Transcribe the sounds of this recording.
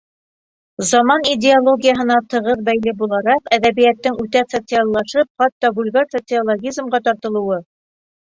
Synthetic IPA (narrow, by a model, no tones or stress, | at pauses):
zɑmɑnidʲɪolˠo̞ɡʲijəɦɤ̆nɑt̪ɤ̆ʁɤðbæjlɘbulˠɑɾɑqæðæβijæt̪ːɘŋʉt̪æsɐt̪sɨɑlˠːɑʃɤp̚χɑt̪ːɑbulʲɡɑsot̪sɨolˠoɡʲizmʁɑt̪ɑɾt̪ɤ̆lˠɤ̆wɤ